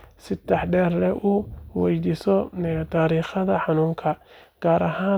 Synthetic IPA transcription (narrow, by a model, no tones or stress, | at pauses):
sɪd̪ɛħɖɛːrlɛʔʊwɛjd̪iːsɔt̪ʰaːɾiːχɐðɐħɑnuːŋkʰɐ | ɡ̥aːɾɐɦaː